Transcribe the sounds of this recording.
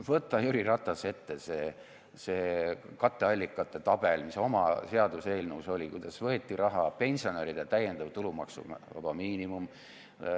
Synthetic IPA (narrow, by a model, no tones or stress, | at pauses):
vɤt̪ːˑɑjuɾirɑt̪ːˑɑse̞t̪ːese̞ | se̞ːkɑt̪ːeɑlʲːikːˑɑt̪ːˑe̞t̪ɑb̥e̞lmiso̞mɑ̰se̞ɑd̪̥use̞ːlnuso̞lʲikujd̪̥ɑsvɤ̞e̞t̪ʲːiɾʔɑɦɑpe̞nʲsio̞neɾid̪̥et̪æjend̪̥ɑvt̪ulumɑ̰ksṵvɑ̰b̥ɑmiːnimum